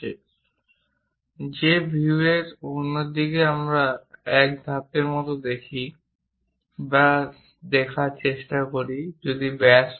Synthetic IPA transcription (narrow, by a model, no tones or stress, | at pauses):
zebʱietunɔdikɛamɹaɛk̚dʱapɛɹmɔtɔdekʰi | ba | dɛkʰat͡ʃestakoɹizɔdibɛs